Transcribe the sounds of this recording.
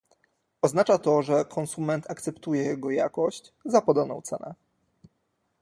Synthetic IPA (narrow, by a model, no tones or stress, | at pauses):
ɔznat͡ʂat̪ɔʐɛkʰɔnsumɛnt̪akt̪sɛpt̪ujɛjɛɡɔja̰kɔɕt͡ɕ | zapɔd̪ɔnɔ̰̃w̃t̪sɛ̰nɛ̰